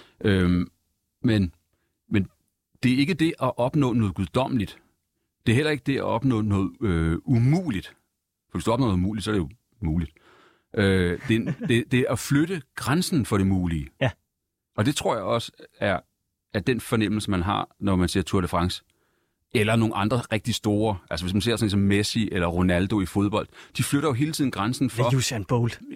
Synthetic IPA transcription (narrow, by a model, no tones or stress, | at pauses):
ʔø | men | men | d̥e̝æɐe̝ɡ̥əd̥e̝ʔæʔɒ̽b̥nɔ̰̽ːnɔːðˠɡuðˠd̥ɒ̽m̰lid̥ | d̥e̝ɐɦelɐe̝ɡ̥əd̥e̝æɒ̽b̥nɔ̰ːnɔ̽ːð̩ˠøumṵːlid̥ | fɒʋesd̥uɒ̽b̥nɔ̰ːð̩ˠumṵːli̥d̥sɒɐɾ̥ejo | muːlid̥ | ʔød̥e̥e̝d̥e̝æfløɾ̥əɡ̥ʁansn̩fɒ̽ɾ̥e̝muːliː | ɒ̽d̥e̝t͡sʰʁo̝ɐ̰jɑɪɒ̽səæɐ | æɐd̥enfɒ̽nem̰l̩səmænɦɑ̰̈nɒmænse̝ɐt͡sʰuɐd̥əfʁɑ̈ŋs | elɐno̝ːn̩ʔɑ̈nd̥ʁɐʁɛɡ̥̚d̥isd̥o̝ːɐʔælsəʋe̝s̬mænse̝ɐ̰snisɒ̽mːesiʔelɐʁo̝næld̥o̝ifo̝ð̞ˠb̥ɒ̽l̰d̥d̥ifløɾ̥ɐjo̝ɦe̝ːlt͡sʰiðˠn̩ɡ̥ʁansn̩fɒ̽usænb̥ol